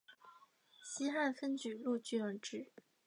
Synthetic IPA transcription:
ɕi˥xa˥˩nfə˥nt͡ɕy˨˩lu˥˧t͡ɕy˥˩ə˧˥ʈ͡ʂɻ̩˥˩

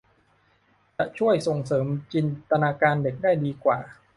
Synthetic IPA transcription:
t͡ɕa˨˩t͡ɕʰu˥˩əjso˨˩ŋsɤː˩˦mt͡ɕi˧nt̪a˧naː˧kaː˧nde˨˩k̚daː˥˩jdiː˧kwa̰ː˨˩

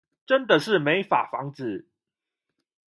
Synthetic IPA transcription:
ʈ͡ʂə˦nd̪ə˨ʂɻ̩˥˨me˨˦ɪfa̰˨˩fɑ̰˧˥ŋt͡sɹ̩˨˩˦

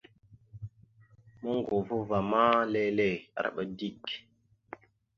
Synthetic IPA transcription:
mə˦ŋɡo˨vu˦va˨ma˦le˦le˦˨a̰˨ɾa̰˨ɓə˦di˦k

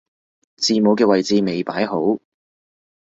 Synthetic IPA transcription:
t͡siː˨mo˨˧wkɛː˧wɐ˨jt͡siː˧me˨˩jpaː˨˥jɦo˨˥w

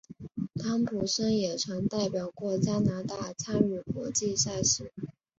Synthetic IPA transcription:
t̪ʰa˧˥ŋpʰu˨˩ʂə˥ŋjɛ˨˩ʈ͡ʂʰwa˧˥ŋt̪a˥˩ɪpjɑ˨˩ʊkwɔ˥˩t͡ɕja˥na˧˥t̪a˥˩t͡sʰa˥lu˥˩kwɔ˧˥t͡ɕi˥˧ɕa˥˩ɕi˥˧˩

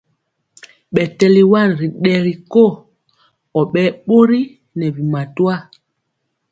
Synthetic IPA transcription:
ɓɛ˨tɛ˨li˨wa˦˨n˨ɾi˨ɗɛ˨ɾi˨ko˦˨ | ɔ˨ɓɛ˦ɓo˦ɾi˦ | nɛ˨vi˨ma˨twa˦˨

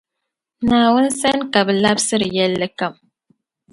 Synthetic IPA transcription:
naː˨wʊ˦n˦sɛ˦nka˨bɨ˨la˦bsɨ˦ɾɨ˨jɛ˦lːɨ˦ka˦˨m

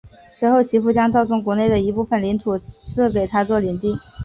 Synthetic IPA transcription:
swe˧˥ɪxo˥˩ʊt͡ɕʰi˧˥fu˥˩t͡ɕjɑ˥ŋt͡sɑ˥˧ʊt͡sʊ˥ŋk̬wɔ˧˥ne˥˩ɪd̪ə˩i˧˥pu˥˩fə˨˩nli˧˥nt̪ʰu˨˩t͡sʰɹ̩˥˩ke˨˩ɪt̪ʰa˥t͡swɔ˥˩li˨˧˩nt̪i˥˩ŋ

